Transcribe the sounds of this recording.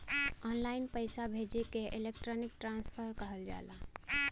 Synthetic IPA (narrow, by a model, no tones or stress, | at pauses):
ɔːnlaːɪnpəjsabʱed͡ʒekeʔɪlek̚ʈɾɔːnɪk̚ʈɾãːnspʰəɾkəɦəld͡ʒa̰ːla